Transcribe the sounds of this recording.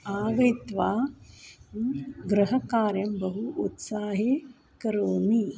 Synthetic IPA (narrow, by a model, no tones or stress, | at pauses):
aːʋɐjt̪ʋaː | ɡɾɐɦɐkaːɾjɐmbɐɦuʔut̪saːɦe | kɐɾoːni